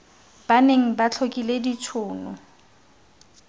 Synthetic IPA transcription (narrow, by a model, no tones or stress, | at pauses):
b̥aneŋ̩bat͡ɬʰokʼiledit͡sʰʊːnʊ